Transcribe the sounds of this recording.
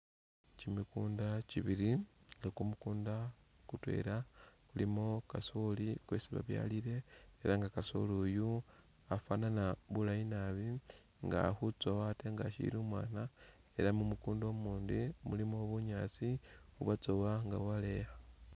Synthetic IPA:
cimikuːndaciβiɾiŋɡakumukuːnda | kutwe̞̰ːɾakulimo̞kasolikweːsiβa̰βja̰liɾe̞eɾaŋɡakaso̰luju | afananaβulainaβi | ŋɡa̰hut͡so̞wate̞ŋɡaʃḭḭɾuːmwaːna | e̞̰ɾamumukuːndo̞muːndimulimoβuɲaːt͡siuβat͡so̞waŋɡawale̞xa

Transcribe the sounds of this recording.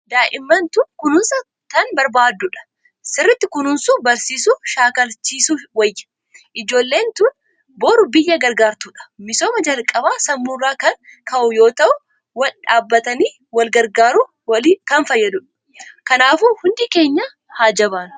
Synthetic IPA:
d̪aːʔɪmːɐnt̪ʊkʊnʊnsɐ | t̪ɐnbɐɾbaːd̪ːʊᶑɐ̥ | sɪrːɪt̪ːɪkʊnʊnsubɐɾsiːsuʃaːkɐlt͡ʃiːsuwɐjːɐ̥ | ʔɪd͡ʒo̞ːlːe̞ːnt̪un | bo̞ːɾʊbɪjːɐɡɐɾɡaːɾt̪uᶑɐ̥mɪso̞ːmɐd͡ʒɐlkʼɐbaːsɐmːuːrːaːkɐnkɐʔʊjo̞ːt̪ɐʔʊ | wɐlᶑaːbːɐt̪ɐniː | wɐlɡɐɾɡaːɾu | kɐnfɐjːɐd̪ʊᶑɐ̥ | kɐnaːfuhʊnd̪ike̞ːɲːɐ | haːd͡ʒɐbaːn

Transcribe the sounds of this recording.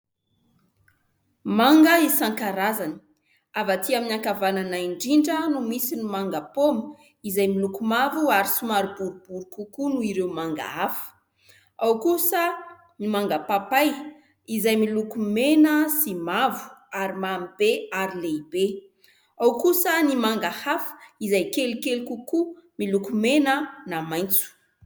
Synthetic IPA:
maŋɡəisaŋkaɾazani̥ | avat̪iaminaŋkavananaiɳɖ͡ʐiɳɖ͡ʐənumisinimaŋɡəpomə | izajmilukumavuaɾisumaɾubuɾubuɾukukunuiɾewmaŋɡa̰afə̥ | awkusə | nimaŋɡapapaj | izajmilukumenəsimavu̥aɾimamib̥eaɾileibe | awkusənimaŋɡahafə̥izajkelikelikukumilukumenənamajnt͡su̥

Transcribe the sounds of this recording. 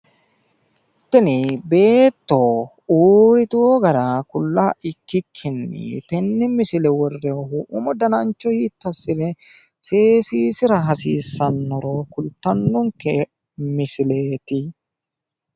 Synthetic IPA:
t̪ːɪnɪbe̞ːt̪ːɔ | uːɾɪt̪ʊɔɡɐɾɐkʊlːaːɪkːɪkʰːɪnːɪ̰t̪ɛnːɪmɪsɪlɛwɔrːɛɔɦʊʔʊmɔd̪ɐnɐnt͡ʃːɔhiːt̪ːɐsːɪlɛ | seːsiːsɪɾɐɦɐsiːsːɐnːɔɾɔkʊlt̪ːɐnːɔŋkːɛ | mɪsɪleːt̪ɪ

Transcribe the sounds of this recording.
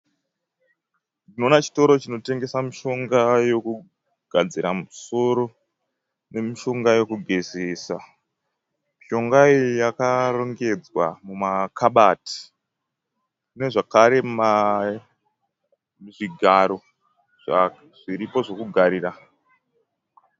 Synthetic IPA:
dino̞ːnat͡ʃi̥to̞ɾo̞t͡ʃino̞te̞ŋɡe̞samiʃo̞ŋɡajo̞ku | ɡ̥ʱad͡ziɾamuso̞ɾo̞ | ne̞miʃo̞ŋɡajo̞kuɡʱeseːsa | miʃo̞ŋɡaijakaro̞ŋɡe̞d͡zwa̰mumakʰaɓati̥ | ne̞ʐakaɾe̞ma | miʐiɡʱaɾo̞ | ʐ̥a | ʐ̥iɾipo̞ʐo̞kuɡʱaɾiːɾa

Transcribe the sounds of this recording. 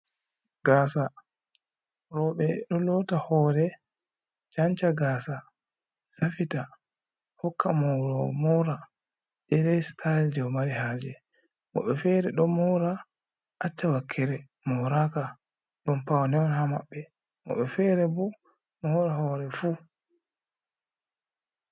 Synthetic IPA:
ɡaːsa | ɾɔɓɛɗɔlɔtahɔːɾɛ | d͡ʒant͡ʃaɡaːsa | safita | hɔkːamɔɾɔmɔɾa | dɛɾɛstʰajld͡ʒɛwmaɾiɦaːd͡ʒɛ | mɔ̰ɓɛfɛɾɛɗɔmmɔɾa | ʔat͡ʃːawakʰːɛɾɛ | mɔɾaka | ɗɔmpawanɛwɔnhama̰ɓːɛ | mɔ̰ɓɛfɛɾɛbɔ | mɔhɔɾahɔːɾɛfu

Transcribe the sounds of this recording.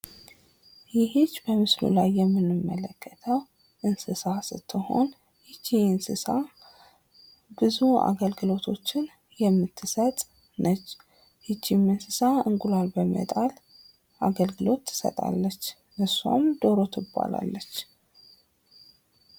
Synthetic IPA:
jɪɦit͡ʃːbəmɨslṵlajːɛmːɨnːɨmːələkʰːət̪ʰəw | ʔɨnsɨsasɨt̪ʰːɨho̞̰n | hit͡ʃːiɨnsɨsa | bɨzua̰ɡəlɡɨlo̞t̪ʰo̞t͡ʃːɪn | jɛmːɨt̪ʰːɨsət̪ʼ | nʔət͡ʃː | hit͡ʃːimɨnsɨsaɨŋɡulalbəmə̰t̪ʼal | ʔaɡəlɡɨlo̞t̪ʰːɨ̥sə̰t̪ʼa̰lːət͡ʃː | ʔɨsa̰md̪o̞ɾo̞t̪ʰɨbːa̰la̰lːət͡ʃː

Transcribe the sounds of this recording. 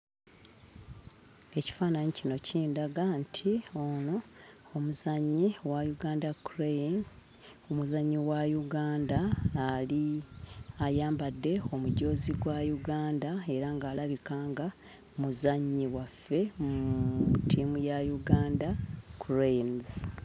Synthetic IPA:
e̞ci̥faːnaɲicino̞cʰiːndaɡantʰio̞no | omuzaɲːiwajuɡaːndakuɾein | omuzaɲːiwajuɡaːndaːli | ajaːmbadːe̞o̞muɟo̞ːziɡwajuɡaːndae̞ɾaŋɡaːlaβikaːŋɡa | muzaɲːiwafːe̞mutiːmujajuɡaːndakʰuɾenz

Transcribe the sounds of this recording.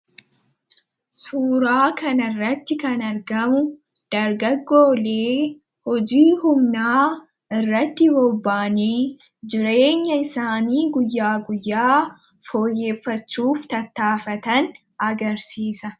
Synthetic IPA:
suːɾaːkɐnɪrːɐt̪ːɪkɐnɐɾɡɐmʊ | d̪̥ɐɾɡɐɡːo̞ːle̞ː | hɔd͡ʒiːhʊmnaː | ɪrːɐt̪ːɪbɔbːaːniː | d͡ʒɪɾe̞ːɲːɐɪsaːniːɡʊjːaːɡʊjːaː | fo̞ːjːe̞ːfːɐt͡ʃːuːft̪ɐt̪ːaːfɐt̪ɐn | ɐɡɐɾsiːsɐ

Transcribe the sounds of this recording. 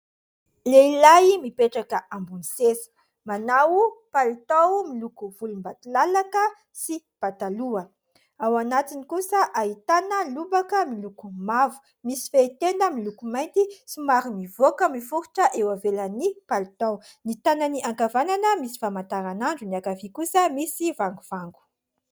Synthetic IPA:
leilajmipeʈ͡ʂakəʔambunisesə̥ | manawpalit̪awmilukuv̥ulumbat̪ulalakə | si | pat̪aluə | awanat̪inikusəʔait̪anəlubakəmilukumavu̥ | misi̥fet̪enəmilukumajnt̪isimaɾimivokəmifuɾu̥ʈ͡ʂəʔewavelənipalit̪aw | nit̪ananiʔaŋkavananəmisi̥famant̪aɾanaɳɖ͡ʐuniakavikusəmisivaŋɡuv̥aŋɡu̥

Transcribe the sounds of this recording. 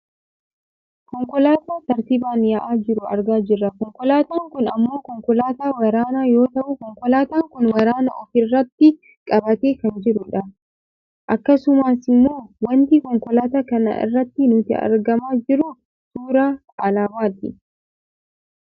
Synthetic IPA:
kɔŋkɔlaːt̪aːt̪ɐɾt̪ɪbaːnjɐʔaːd͡ʒɪɾʊɐ̰ɾɡaːd͡ʒɪrːɐkɔŋkɔlaːt̪aːŋkʊnɐ̰mːo̞ːkɔŋkɔlaːt̪aːwɐɾaːnaːjo̞ːt̪ɐʔʊkɔŋkɔlaːt̪aːŋkʊnwɐɾaːnɐʔɔfɪrːɐt̪ːɪ | kʼɐbɐt̪eːkɐnd͡ʒɪɾʊᶑɐ | ʔɐkːɐsʊmaːsɪmːo̞ːwɐnt̪ikɔŋkɔlaːt̪aːkɐnɐ̰ɪ̰rːɐt̪ːɪnʊt̪ɪ̰ɐ̰ɾɡɐmaːd͡ʒɪɾʊ | suːɾaː | ɐlaːmaːt̪ɪ̰

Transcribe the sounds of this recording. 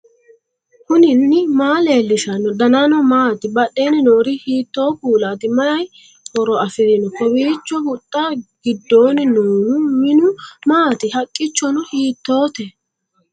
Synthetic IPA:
hʊnɪnːɪmaːleːlːɪʃɐnɔd̪ɐnanɔmaːt̪ɪbɐɗeːnɪnoːɾɪhiːt̪ːo̞ːkuːlaːt̪ɪmɐɐj | hɔɾɔɐfɪɾɪnɔkɔbiːt͡ʃːɔhʊt̪ʼːɐɡ̥ɪd̪ːo̞ːnɪnoːnʊmɪnʊmaːt̪ɪhɐkʼːɪt͡ʃːɔnɔhiːt̪ːo̞ːt̪ɛ

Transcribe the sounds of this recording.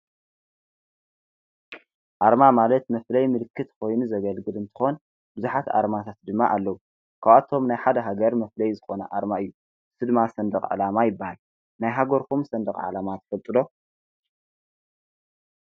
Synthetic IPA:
ʔaɾmamalɐt̪mɐflɐjmɨlɨkʰːɨt̪kʰo̞jnuzɐɡɐlɡɨlɨnt̪ʰɨ̥xo̞n | bɨzuħat̪a̰ɾmat̪ʰat̪̚d̪ɨmːaʔalːɐwu | kʰawat̪ʰo̞mnajħad̪ɐɦaɡɐɾmɐflɐjzɨxo̞nɐ̰ʔaɾmaɨjːu | sɨd̪masɐnd̪ɐχʼʕa̰lamajɪbːahal | najɦaɡoɾkʰumsɐnd̪ɐχʼʕa̰lamat̪ʰɐ̥fɐlt̪ʼɨd̪o̞

